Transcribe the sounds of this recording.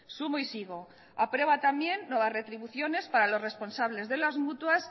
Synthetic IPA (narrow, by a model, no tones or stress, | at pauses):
sumoisiɣ̞o̞ | apɾe̞β̞at̪amje̞nːwe̞βazre̞t̪ɾiβuθjo̞ne̞spaɾalo̞sre̞spo̞nsaβle̞zðe̞lazmut̪was